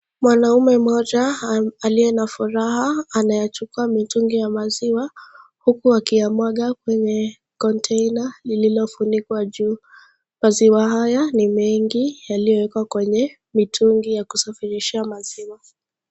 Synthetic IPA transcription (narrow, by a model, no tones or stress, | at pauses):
mwanaumɛmɔʄaːlijɛnafuɾahaːnajat͡ʃukuamituŋɡijamaziwahukuakiamwaɠakwɛɲɛ | kɔntʰɛjnalililɔfunikwaʄuː | maziwaɦajanimɛŋɡijalijɔwɛkwakwɛɲɛ | mitʰuŋɡijakusafiɾiʃamaziwa